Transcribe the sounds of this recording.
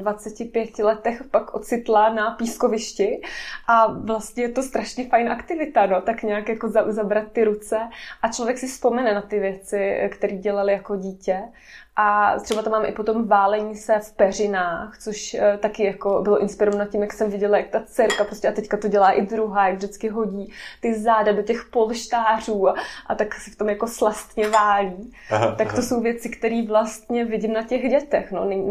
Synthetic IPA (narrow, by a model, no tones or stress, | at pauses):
vat͡sɛcɪpjɛcɪlɛt̪ɛxpakʔot͡sɪt̪lanapiːskovɪʃcɪʔavlast̪ɲɛjɛt̪o̞st̪ɾaʃɲɛfajnʔakt̪ɪvɪt̪anot̪akɲaːkjako̞zazabɾat̪ːɪɾut͡sɛʔat͡ʃlovjɛksɪfspo̞mɛnɛnat̪ɪvjɛt͡sɪkt̪ɛɾiːɟɛlalɪjakoɟiːcɛ | ʔat̪ɛbat̪amaːmʔɪ̰pot̪o̞mvaːlɛɲiːsɛfpɛr̝ɪnaːxt͡soʃt̪akɪjako̞bɪloʔɪnspɪɾovanacːɪmjaksɛmvɪɟɛlajak̚t̪at͡sɛɾkapɾoscʲɛʔat̪ɛckat̪o̞ɟɛlaːʔɪd̪ɾuɦaːjaɡvdɪt͡skɪɦo̞ɟiːt̪ɪzaːdadocɛxpo̞lʃt̪aːruːaʔa̰t̪aksɛft̪o̞mjako̞slast̪ɲɛvaːliːt̪akt̪oso̞wvjɛt͡sɪkt̪ɛɾiːvlast̪ɲɛvɪɟɪmnacɛxɟɛt̪ɛxno̰nɛɲ